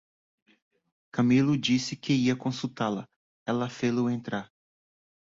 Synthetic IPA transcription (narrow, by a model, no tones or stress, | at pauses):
kɐmilʊd͡ʒisɪkɪiɐkõsut̪alɐ | ɛlɐfelʊẽnt̪ɾaɾ